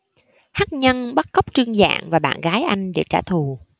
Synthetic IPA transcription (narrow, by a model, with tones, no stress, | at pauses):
haː˦˥k̚ɲə˧nɓa˦˥t̚ɣə˦˥wk͡p̚t͡ɕɨ˧əŋza̰ː˧˨ŋvaː˨˩ɓa̰ː˧˨nɣaː˨˦jʔa˧jŋ̟ɗe˧˩t͡ɕaː˧˩t̪ʰu˨˩